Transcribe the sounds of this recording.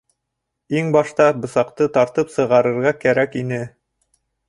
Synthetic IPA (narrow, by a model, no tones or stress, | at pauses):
iŋbɑʃt̪ɑbɤ̆sɑqt̪ɤt̪ɑɾt̪ɤpsɤ̆ʁɑɾɤ̆ɾʁɑkæɾækinɘ